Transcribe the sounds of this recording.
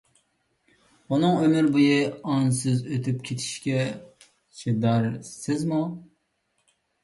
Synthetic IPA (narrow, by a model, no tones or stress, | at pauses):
unɨŋømɪɾbujɪɑnsɨzøt̪ʰyp̚kʲʰet̪ʰi̥ʃkʲɛ | t͡ʃʰid̪æɾsɪzmu